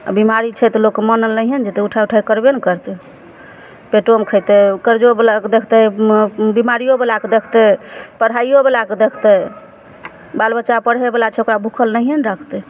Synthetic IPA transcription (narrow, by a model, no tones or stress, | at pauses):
a̰bimaɾit͡ʃʰɛt̪lokːmənəlnəiɦənd͡ʒet̪ɛuʈʰauʈʰajkəɾbenkəɾt̪ɛ | peʈomkʰəjt̪ɛkəɾd͡ʒobelaked̪ekʰt̪ɛ | bimaɾijobelaked̪ekʰt̪ɛpəɽɦajjobelaked̪ekʰt̪ɛ | balbət͡ʃapəɽ̤ɦebelat͡ʃʰɛokɾabʱukʰəlnəɦɦənɾakʰt̪ɛ